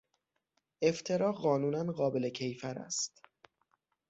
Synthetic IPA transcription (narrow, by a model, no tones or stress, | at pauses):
ʔe̞ft̪ʰe̞ɾɒːɢɒːnuːnænɢɒːbe̞le̞cʰejfæɾæ̰st̪